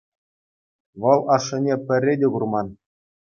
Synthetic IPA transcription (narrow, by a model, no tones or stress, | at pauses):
ʋɤ̆lˠɑʂːɤ̆nʲepʲɘ̆rʲːedʲeɡurmɑn